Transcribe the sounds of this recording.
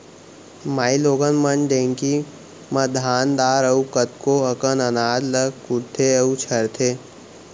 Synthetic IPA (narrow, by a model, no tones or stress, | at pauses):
maːiloːɡənmənɖ̪ẽːŋki | mɐd̪ʱaːnd̪aːɾəukət̪koəkənɐnaːd̪ləɡkʊɾt̪ʰeɐut͡ʃʰɐɾt̪ʰeː